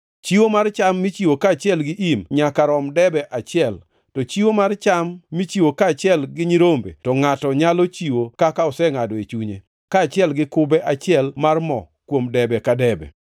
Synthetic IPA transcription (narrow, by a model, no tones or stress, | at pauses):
t͡ʃiwomart͡ʃamːit͡ʃiwokaːt͡ʃɪɛlɡɪʔimɲakaɾɔmdɛbɛʔat͡ʃɪɛl | tɔt͡ʃiwomart͡ʃamːit͡ʃiwokaːt͡ʃɪɛlɡɪɲiɾombḛtɔŋatɔɲalɔt͡ʃiwokakaɔsɛŋadɔet͡ʃuɲe | kaːt͡ʃɪɛlɡɪkʊbɛʔat͡ʃɪɛlmarmɔ̰ | kwomdɛbɛkadɛbɛ̰